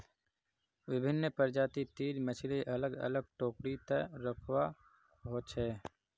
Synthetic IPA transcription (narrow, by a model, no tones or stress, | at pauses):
ʋɪbʱɪnːəpəɾd͡ʒaːt̪it̪iːɾmət͡ʃʰleʔɐləɡə̰ləɡ̚ʈoːkɽit̪əɾəkʰwa | ɦoːt͡ʃɦɛː